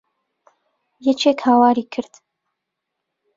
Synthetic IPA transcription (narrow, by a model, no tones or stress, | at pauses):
jɛt͡ʃʰeːkhaːwaːɾiːkʰɨɾd̪̥